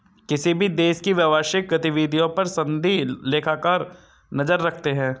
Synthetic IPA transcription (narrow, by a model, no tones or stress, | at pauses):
kɪsibʱid̪eːʃkiʋjɐʋaːʃɪk̚ɡɐt̪ɪʋid̪ʱijõpɐɾsɐ̃nd̪ʱileːkʰaːkaːɾ | nɐzəɾːɐkʰt̪eɦɛ̃ː